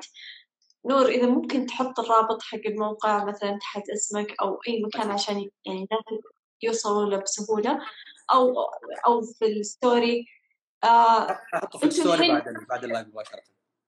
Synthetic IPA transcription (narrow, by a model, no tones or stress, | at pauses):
t̪ | nuːɾʔɪðamʊmkɪnt̪ħʊt̪ˤːɨrˤːɑːbɨt̪ˤħaɡːɪlmawqɪʕmaθalant̪ḁħat̪ʔasmakʔawʔajːmakaːnʕaʃaːnjaʕninaːs | juːsˤɑluːlabsʊɦuːlaʔawʔawfɪlɪst̪oːɾi | a | ʔɪnt̪uiad̪